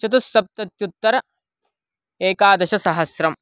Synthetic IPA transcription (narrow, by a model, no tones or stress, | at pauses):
ɐt̪̬ust̪ɐp̚t̪ɐt̪jut̪ːɐɾɐ | eːkaːd̪ɐʃɐsɐɦɐsɾɐm